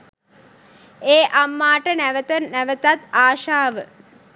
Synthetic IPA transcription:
eːʔamːaːʈənæʋət̪ənæʋət̪at̪aːʃaːʋə

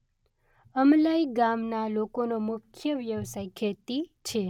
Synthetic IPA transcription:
əmlaiɡamnalokonomʊkʰjəʋjəʋsajkʰet̪it͡ʃʰe

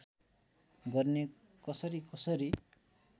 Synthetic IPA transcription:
ɡʌrne | kʌsʌɾikʌsʌɾi

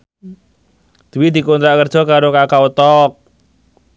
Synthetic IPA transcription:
d̪̥iwid̪̥i̤kont̪ɾaʔkərd̥ʒ̥ɔ̤kaɾokakaut̪ɔk̚

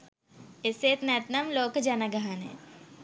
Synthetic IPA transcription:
ɪseːt̪net̪nɐmloːkd͡ʒɐnaɡɐɦaːnḛ

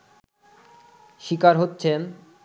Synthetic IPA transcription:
ʃikaɾɦotːɕʰen

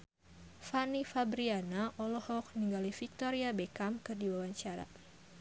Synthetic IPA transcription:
fanifabɾianaʔɔlɔhɔk̚niŋɡalifik̚t̪ɔɾiabekamkɨrdiwawaɲt͡ʃaɾa̰

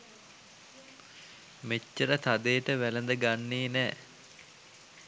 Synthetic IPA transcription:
met͡ʃːəɾət̪ad̪eːʈəʋælənd̪əɡanːeːnɛː

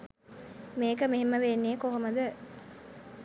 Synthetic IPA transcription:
meːkəmeɦemːəʋeːnːeːkoɦoməd̪ə

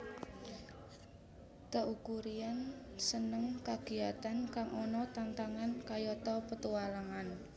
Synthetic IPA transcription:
t̪əʔukuɾiansənəŋkaɡ̥i̤at̪ankaŋʔɔnɔt̪ant̪aŋankajɔt̪ɔpət̪uwalaŋan

